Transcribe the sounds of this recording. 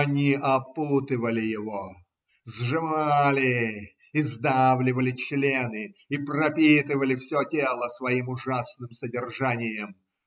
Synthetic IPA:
ɐnʲiʔɐput̪ɨvəlʲɪjɪvo | zʐɨmalʲɪ | ɪzd̪avlʲɪvəlʲɪt͡ɕlʲenɨiprɐpʲit̪ɨvəlʲɪfsʲotʲelˠəsvɐimʊʐasnɨmsədʲɪrʐanʲɪjəm

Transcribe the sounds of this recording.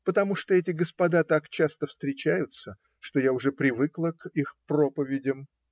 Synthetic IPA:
pət̪ɐmuʂt̪oɛtʲɪɡəspɐd̪at̪akt͡ɕast̪əfst̪ɾʲɪt͡ɕæjʊt̪sə | ʂt̪o̞jaʊʐɛpɾʲɪvɨklˠəkixpro̞pəvʲɪdʲəm

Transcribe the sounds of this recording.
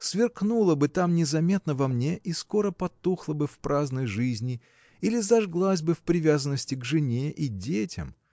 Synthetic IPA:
svʲɪrknulˠəbɨt̪amnʲɪzɐmʲet̪nəvɐmnʲe̞ʔisko̞ɾəpɐt̪ːuxlˠəbɨfpɾaznəjʐɨzʲnʲɪ | ilʲɪzɐʐɡlˠasʲbɨfpɾʲɪvʲazənːəsʲtʲɪɡʐɨnʲeʔidʲetʲɪ̰m

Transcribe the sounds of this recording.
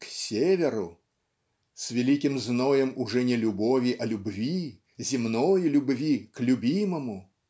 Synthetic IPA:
ksʲevʲɛɾu | sʲvʲɛlʲikʲimznɔjɛmuʐɛnʲɛlʲubɔvʲiʔɐlʲubvʲi | zʲimnɔjilʲubvʲiklʲubʲimɐmu

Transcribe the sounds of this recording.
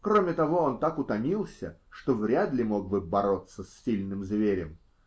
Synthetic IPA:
kɾomʲɪt̪ɐvo̞ont̪akʊt̪ɐmʲilˠsʲə̰ʂt̪ovɾʲad̪lʲɪmo̞ɡ̚bɨbɐɾo̞t̪sːəsʲːilʲnɨmzvʲeɾʲɪm

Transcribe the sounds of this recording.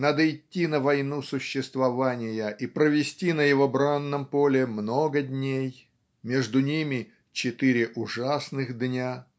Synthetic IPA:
nad̪əɪtʲːinəvɐjnusʊɕːɪst̪vɐvanʲɪjəʔipɾəvʲɪsʲtʲinəjɪvobɾanːəmpo̞lʲɪmnoɡədʲnʲej | mʲeʐd̪ʊnʲimʲɪ | t͡ɕɪt̪ɨɾʲɪʔʊʐasnɨxd̪nʲa

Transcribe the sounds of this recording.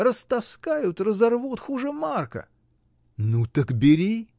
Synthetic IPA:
rəst̪ɐskajʊt̪rəzɐrvut̪xuʐɨmarkə̰ | nut̪əkbʲɪɾʲi

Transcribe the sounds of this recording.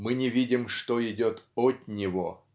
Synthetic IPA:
mɨnʲɪvʲidʲɪmʂt̪oɪdʲot̪ɔt̪nʲɪvo

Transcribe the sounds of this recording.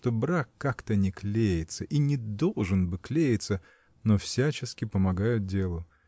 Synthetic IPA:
ʂt̪obɾakːakt̪ənʲɪklʲejɪt̪səʔinʲɪd̪o̞lˠʐɨnbɨklʲejɪt̪sə | nofsʲæt͡ɕɪskʲɪpəmɐɡajʊt̪̚dʲe̞lˠʊ

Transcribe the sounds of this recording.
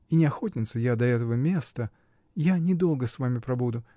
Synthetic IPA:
inʲɪɐxo̞tʲnʲɪt̪səjad̪ɐɛt̪əvəmʲe̞st̪ə | janʲɪd̪o̞lˠɡəsvamʲɪpɾɐbud̪ʊ

